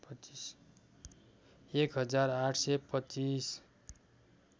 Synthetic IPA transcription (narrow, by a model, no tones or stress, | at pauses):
pis | ekɦʌd͡zaraʈʰsepʌt͡sis